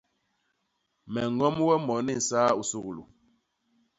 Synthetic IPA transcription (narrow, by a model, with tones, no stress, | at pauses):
mɛ˨ŋ˦ɡɔ˦m˦wɛ˦mɔ˨˦ni˦˨saː˦u˨su˦ɣlṵ˨